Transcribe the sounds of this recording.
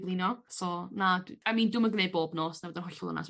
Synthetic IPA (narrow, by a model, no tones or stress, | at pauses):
blˠinɔsoːnadamiːndʊməɡnejboːbnoːsnawəd̪ɛnʊɬɔlˠə̰na̰s